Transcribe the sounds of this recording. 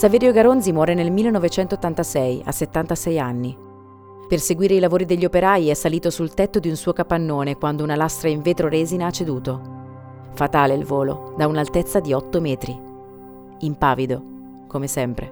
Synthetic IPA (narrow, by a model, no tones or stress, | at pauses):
saveːɾjoɡaɾonzimwɔːɾenelmilːenɔvet͡ʃɛnt̪oːt̪ːant̪asɛja̰sːet̪ːant̪asɛjanːi | perseɡwiːɾeilavoːɾid̪eʎːiopeɾaːjiɛsːaliːt̪osult̪ɛt̪ːod̪iunsuːokapanːoːnekwand̪ounalast̪ɾaiɱveːt̪ɾoɾeːzinaat͡ʃːed̪uːt̪o | fat̪aːleilvoːlo̰d̪aunalt̪et̪sːad̪iɔt̪ːomɛːt̪ɾi | impaːvid̪o | komesɛmpɾḛ